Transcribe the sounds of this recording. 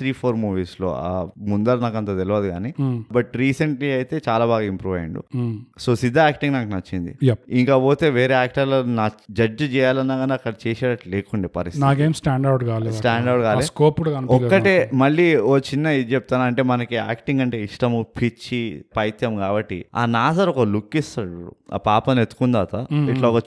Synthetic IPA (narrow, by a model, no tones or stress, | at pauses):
t̪ʰɾiːpʰoːɾmuːʋiːslo̰ːamund̪ɐɾnaːkɐnt̪̬aːt̪eliʋaːd̪iɡaːnibɐʈɾiːsɐɳʈliɐjt̪e̞ːt͡ʃaːlaːbaːɡaːimpɾuːʋɐ̰j̰ɳɖṵso̞ːsid̪ʱːaaːkʈiŋɡnaːkunɐt͡ʃːind̪ḭjɐpiŋkaːpoːt̪e̞ːʋeːɾeːaːk̚ʈɐɾloːnaːd͡ʒɐd͡ʒt͡ʃɛːjaːlɐnːaːɡɐnɐkːɐɽɐt͡ʃɛːseːɽɐʈleːkuɳɖiːpɐɾisinaːkeːmsʈaːɳɖɐwʈɡaːlesʈaːɳɖɐwʈɡaːleskoːpuɽɐnɔkːɐʈeːmɐɭːiot͡ʃinːɐid̪t͡ʃep̚t̪aːnɐɳʈe̞ːmɐnɐkia̰ːkʈiŋɡɐɳʈe̞ːiʂʈɐmupʰit͡ʃːipɐjt̪jɐmkaːbɐʈːḭa̰ːnaːsɐɾɔkɐlukːist̪ɐɽṵa̰ːpaːpɐnet̪ːu̥kund̪aːt̪ɐiʈloːɔkɐ